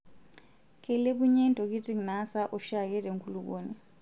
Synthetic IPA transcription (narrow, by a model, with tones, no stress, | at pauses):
kʰɛ˨le˦βu˦ɲɛ˦ntʼo˨k̬i˦tʼi˦ŋna˦sa˦ʔu˦ʃa˦k̬ɛ˦le˨ŋkʰu˦lukoni˨